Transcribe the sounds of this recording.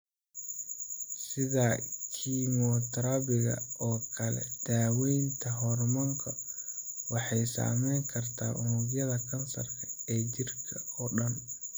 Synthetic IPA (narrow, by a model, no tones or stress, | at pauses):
sɪðaːkʰimɔt̪ʰɐɾɐβɪɣɐ̰ʔɔːkʰɐlɛ̰d̪̥aːwɛjnt̪ʰɐɦɔrmɐŋkʰɐ | wɑħɑjsa̰ːmɛjŋkʰɐrt̪ʰaːʔʊnuɣjɐðɐkʰɐnsɐ̰rkʰɐ̥ɛːt͡ʃɪrkʰɐɔːɖɐn